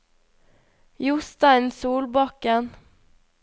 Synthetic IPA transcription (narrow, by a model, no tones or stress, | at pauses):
jʊst̪æɛnsuːlbɑkɛn